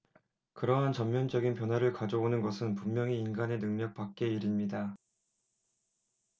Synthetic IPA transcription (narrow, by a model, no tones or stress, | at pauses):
kɯɾʌɦant͡ɕʌmmjʌnd͡ʑʌɡinpjʌnwaɾɯɭkad͡ʑʌonɯnɡʌsʰɯnpumːjʌŋiːnɡane̞nɯŋɲʌk̚p͈ak̚k͈e̞iɾimɲida